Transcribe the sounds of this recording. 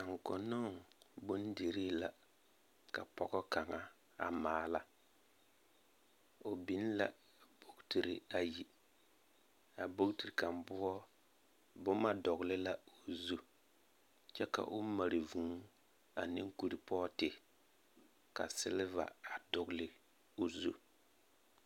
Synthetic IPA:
a˨ŋ˨kɔ˨nʊ˦ŋbʊ˦n˦de˨ɾi˦la˨ | ka̰˨pɔ˦ɡɔ˦ka˨ŋa˦ | a̰˨maː˨˦la˦ | o˨bi˨˦n˦la̰˦˨ | bo˦kti˨ɾi˨a˨ji˨ | a˨bo˦kti˨ɾi˨ka˨mbʊ˦ɔ˦ | bʊ˦ma˦dɔ˨ɣlɪ˦la˦o˨zu˦ | t͡ʃɛ˦ka̰˨ʔʊ˦ma˨ɾi˨vũ˨˦ | a˨nɪ˦ŋ˦ku˨ɾi˨pɔ˦tɪ˨ | ka̰˨sɪ˦lɪ˦va̰˨a˨dʊ˨ɡlɪ˦ | o˨zu˦

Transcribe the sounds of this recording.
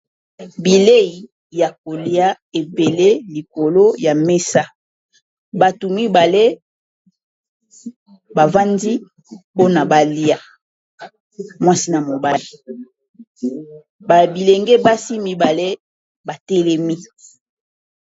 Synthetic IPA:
bi˨le˦i˨ | ja˨ko˨li˦a˦ | e˨be˨le˦li˨ko˨lo˦ja˨me˦sa˦ | ba˨tu˨mi˦ba˨le˦ | ba˨va˦ndi˦ | po˦na˨ba˨li˦a˦ | mwa˦si˦na˨mo˨ba˦li˨ | ba˨bi˨le˨ŋɡe˦ba˦si˦mi˦ba˨le˦ | ba˨tɛ˦lɛ˦mi˦

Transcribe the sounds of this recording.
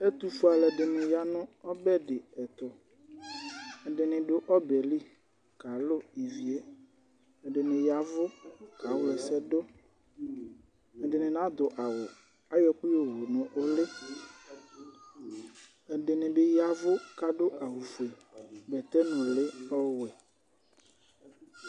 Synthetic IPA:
ɛ˦t̪u˨fu˦a˨lɛ˨ɖɪ˨nɪ̃˨ja˨˦nʊ̃˦ɔ˦bɛ˦ɖɪ˨ɛ˨t̪ɔ˨ | ɛ˨ɖɪ˨nɪ̃˨ɖʊ˦ʔɔ˦bɛ˨li˦ | ka˨lʊ˦i˨vi˨e˦ | ɛ˨ɖɪ˨nɪ̃˨ja˨vʊ˦ka˨wʊ˦lɛ˨sɛ˦dʊ˦ | ɛ˨dɪ˨nɪ̃˨nã˦d̪ʊ˨ʔa˨wʊ˨ | a˦jɔ˦k͡pi˦o˨ɦo˨nʊ̃˨ʔo˦lɪ˦ | ɛ˨ɖɪ˨nɪ̃˨bɪ˦ja˦vʊ˦ka˦ɖʊ˦ʔa˨ɦu˨fu˨ɛ˨bɛ˨t̪ɛ˦nʊ̃˨lɪ˦ɔ˦˨wɛ˨

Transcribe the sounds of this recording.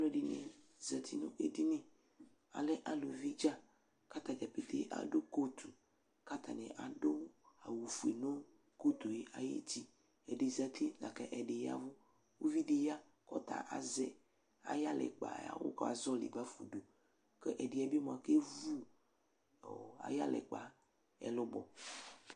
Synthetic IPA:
a˦lɔ̃˨˦ɖe˨nḛ̃˨ | zɛ˨t̪ʰi˦nṵ̃˦ʔe˨di˦nẽ˨ | a̰˨lɛ˦ʔa˨lo˨vi˦d͡ʒa˦ | ka˦t̪a˨d͡ʒa˨pe˨t̪ḛ˦ʔa̰˨ɖo˦ko˦t̪ʰu˨ | ka˦t̪a˨nɛ̃˨ʔa˨ɖo˦a˨wu˨fu˨e˨nõ˦ | ko˦t̪o˨je˨˦ʔa˨jḛ˦t͡ɕi˦ | ɛ˨ɖe˨zɛ˨t̪ʰi˦la̰˨kɛ˦ʔɛ˨ɖe˨ja̰˦vo˦ | wo˦vi˦ɖe˨ja˦ | kɔ̰˦t̪a̰˨ʔa̰˨zɛ˨ | a̰˨ja˦lɛ̰˨k͡pa̰˨ja̰˨˦wo̰˦ka̰˨zɔ˦lḭ˨ɡ͡ba˦fu˨ɖo˨ | kɛ˦ʔɛ˨ɖi˨a˨bi˦m˨a˨ke˦vu˦ | o˨a̰˨ja˦lɛ̰˨k͡pa˨ | ɛ̰˨lo˦bɔ˨

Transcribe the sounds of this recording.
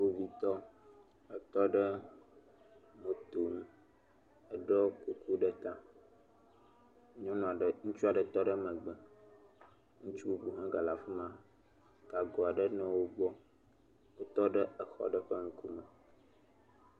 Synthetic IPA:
wo˦vi˦t̪ɔ˦ | ə˨t̪ɔ˦ɖə˦ | mõ˨t̪o˨nũ˦ | ə˨ɖɔ˦ku˨kʰu˦ɖə˦t̪ã˦ | ɲɔ̃˦nɔ̃˨ɖə˨ŋũ˦t͡ʃu˦a˨ɖə˨t̪ɔ˦ɖə˦mə̃˨ɡ͡bə˦ | ŋũ˦t͡ʃu˦bu˨ɦã˦ɡa˨la˨fi˦mã˦ | ɡ̥a˨ɡɔ˨a˨ɖə˦nɔ̃˨wo˦ɡ͡bɔ˦ | wo˦t̪ɔ˦ɖə˦ə˨xɔ̰˦ɖə˦ɸə˦ŋ̩˦ku˦mə˨

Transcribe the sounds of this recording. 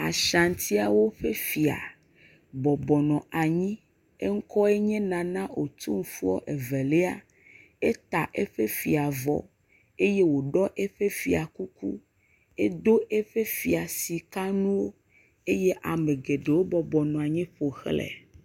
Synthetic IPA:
a̰˨ʃa˨n˨t̪i˦a˨wo˦ɸe˦fi˨a̰˨ | bɔ˨bɔ˨nɔ̃˨a˨ɲĩ˦ | e˦ŋ̩˦kɔ˦e˦ɲɛ̃˦nã˨nã˦ʔo˨t̪u˦ŋ̩˦fu˦ɔ̰˦ʔe˨vɛ˨le˦a̰˦ | e˦t̪a˨ʔe˦ɸe˦fi˨a˨vɔ̰˨ | e˦je˦wo˨ɖɔ˦ʔe˦ɸe˦fi˨a˨ku˦kṵ˦ | e˦d̪o˦ʔe˦ɸe˦fi˨a˨si˨ka˦nũ˦wo˦ | e˦je˦ʔa˨mẽ˨ɡe˨ɖe˨wo˦bɔ˨bɔ˨nɔ̃˨a˨ɲɛ̃˦ɸo˨xlɛ̰˨

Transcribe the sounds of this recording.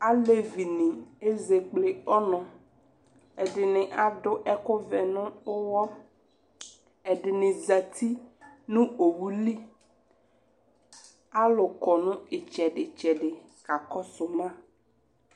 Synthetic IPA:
a˦le˦vi˨nĩ˨e˦ze˨ɡ͡ble˨ɔ˦nɔ̃˨ | ɛ˨ɖɪ˨nɪ̃˨ʔa˨ɖʊ˦ʔɛ˦kʊ˦vɛ˨nʊ̃˦o˦wɔ˦ | ɛ˨ɖɪ˨nɪ̃˨za˨t̪ʰi˦nũ˦o˨wu˦li˦ | a˦lʊ˨kɔ˨nũ˦ɪ˨t͡ʃɛ˨ɖɪ˨t͡ʃɛ˨ɖɪ˨ | ka˨kɔ˦sʊ˨mã˦

